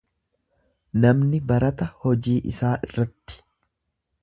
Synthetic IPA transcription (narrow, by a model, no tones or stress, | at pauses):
nɐmnɪbɐɾɐt̪ɐhɔd͡ʒiːʔɪ̰saːʔɪrːɐt̪ːɪ̥